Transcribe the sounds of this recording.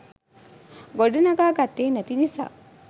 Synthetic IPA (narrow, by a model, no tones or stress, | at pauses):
ɡoɖɐnɐɡaːɡɐt̪ːeːnɐt̪inisa̰ː